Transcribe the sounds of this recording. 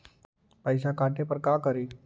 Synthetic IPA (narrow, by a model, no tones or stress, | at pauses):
pəjsakaʈepəɾkakəɾiː